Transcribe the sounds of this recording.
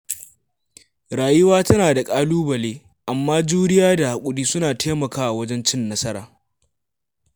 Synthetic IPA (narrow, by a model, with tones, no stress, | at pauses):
ɽaː˨jʊ˦waː˦tɐ˦naː˨da˨kʼaː˦luː˦bɐ˨leː˦ | ʔa˨mːaː˦d͡ʒuː˦nɪ˦jaː˦da˨ha˨kʷʼʊ˦diː˦sʊ˦naː˨tʰeː˦mɐ˨kaː˦ʔa˨wɐ˦d͡ʒɛ˦nt͡ʃɪ˦nːɐ˦sɐ˦ɾaː˨